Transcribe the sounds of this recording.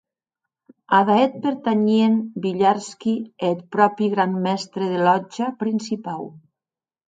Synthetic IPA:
aðaet̪̚peɾt̪aɲienbiʎaɾskiet̪̚pɾɔpiɣɾanmɛst̪ɾeðelɔd͡ʒapɾinsipaw

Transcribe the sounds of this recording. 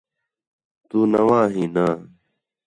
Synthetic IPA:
t̪uːnɐwãːɦiːnaː

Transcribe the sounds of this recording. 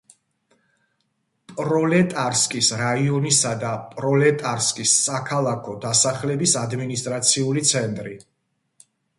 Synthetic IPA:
pʼɾɔlɛt̪ʼaɾskʼisɾaiɔnisad̪apʼɾɔlɛt̪ʼaɾskʼisːakʰalˠakʰɔd̪asaχlɛbisad̪minist̪ʼɾat̪sʰiulit̪sʰɛnt̪ʼɾi

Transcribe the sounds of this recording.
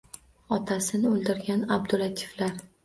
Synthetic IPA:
ɒt̪ʰasɪnɪolˠd̪ɪɾɡʲanab̚d̪ʊlat̪ʰi̥flaɾ

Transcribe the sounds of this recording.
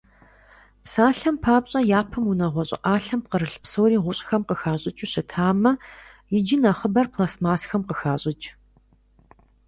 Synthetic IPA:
psaːɬɐmpʰaːpɕʼɐjaːpʰɨmunɐʁʷɔɕʼɪ̰ʔʼɑːɬɐm̚qəɾɨɬpsowɾiːʁʷʊɕʼxɐmqəxaːɕʼɪt͡ʃʼuɕɐtʰaːmɐjɪd͡ʒɪnɐχəbɐrpʰlaːsmaːsxɐmqəxaːɕʼɪt͡ʃʼ

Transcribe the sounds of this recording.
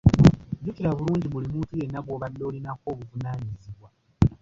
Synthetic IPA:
ɟukiɾaβuluːɲɟiβulimuːtuje̞nːaɡoːβadːo̞ːlinako̞ːβuvunaːɲiziβwa

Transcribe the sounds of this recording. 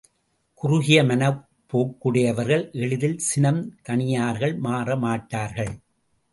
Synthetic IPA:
kʊɾʊɣɪjɐmɐnɐ | pːoːkːɯɽɪjɐʋɐɾɣɐɭʔɛɭɪðɪlsɪnɐmkɐɳɪjaːɾɣɐɭmaːrɐmaːʈːaːɾɣɐɭ

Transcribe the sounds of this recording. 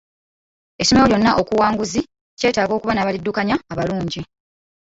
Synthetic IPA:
e̞someoɾjo̞nːaʔo̞kuwaːŋɡuzi | ce̞ːtaːɡo̞ːkuβanaːβalidːukaɲaːβaluːɲɟi

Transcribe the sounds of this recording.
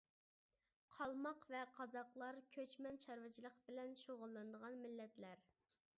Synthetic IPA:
qʰɑlˠmɑqvɛqʰɑzɑqlˠɑɾkʲʰøt͡ʃmɛnt͡ʃʰɑɾwɪt͡ʃʰilˠəqbɪlɛnʃoʁʊlˠːɨnd̪əʁɑnmɪlːɛt̪læɾ

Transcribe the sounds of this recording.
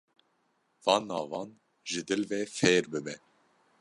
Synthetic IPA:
vɑːnːɑːvɑːn | ʒɨd̪ɨlveːfeːɾbɨbɛ

